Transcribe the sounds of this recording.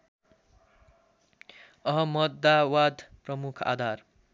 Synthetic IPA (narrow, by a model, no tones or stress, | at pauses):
ʌɦʌmʌd̪ːawad̪ʱprʌmukʰa̰d̪ʱar